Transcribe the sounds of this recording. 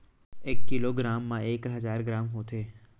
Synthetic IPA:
eːkːiloːɡɾaːmːãʔeːkɦɐzaːɾɡɾaːmɦoːt̪ʰeː

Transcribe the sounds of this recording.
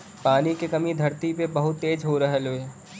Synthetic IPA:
paːnikekɐmid̪ʱɐɾt̪ipebɐɦʊt̪ːeːd͡ʒɦoɾɐɦeloːe

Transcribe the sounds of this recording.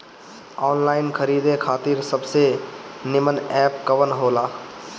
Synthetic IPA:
ɔːnlaɪnkʰəɾid̪ekʰaːt̪iɾsəbsenɪmənɛp̚kəʋənɦola

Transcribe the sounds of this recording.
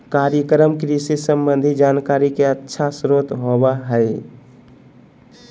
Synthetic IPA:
kaɾjəkɾəmkɾisisəmbənd̪ʱid͡ʒaːnkaɾikeətːʃʰasɾot̪ɦobaɦɛɪ

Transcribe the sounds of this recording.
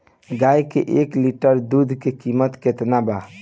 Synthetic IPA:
ɡajkḛʔekliʈəɾd̪ud̪ʱkekimət̪ket̪naba

